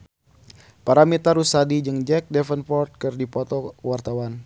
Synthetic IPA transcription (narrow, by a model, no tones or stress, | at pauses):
paɾamit̪aɾusadid͡ʒɨŋd͡ʒɛk̚dɛfənpɔrt̪̚kɨrdipɔt̪ɔwart̪awan